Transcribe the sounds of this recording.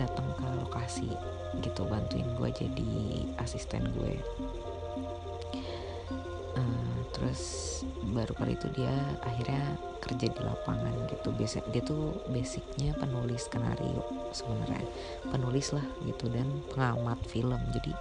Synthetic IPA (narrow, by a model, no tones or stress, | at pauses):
dat̪əŋkəlokasḭ | ɡit̪ubant̪uɪ̰nɡuɛ̰d͡ʒa̰dḭasist̪ɛ̰nɡṵɛ̰ | ʔəmt̪əɾʊs | baɾukalḭt̪udiaaɦirɲa | kərd͡ʒadilʔa̰pa̰ŋa̰nɡit̪ubesɪdiat̪ubesɪk̚ɲapənulɪskəna̰ɾḭṵʔ | səbəna̰rɲa̰ | pənulɪslahɡit̪udanpəŋamat̪̚filəmd͡ʒadi